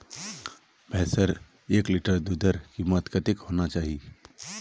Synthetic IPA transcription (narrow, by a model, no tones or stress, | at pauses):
bʱɛɦsəɾ | eːkliʈəɾd̪uːd̪əɾkiːmət̪kət̪ɪkhoːnat͡ʃaːɦi